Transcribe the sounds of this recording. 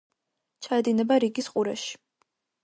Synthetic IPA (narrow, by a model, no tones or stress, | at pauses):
t͡ʃʰaɛd̪inɛbaɾiɡisqʼuɾa̰ʃi̥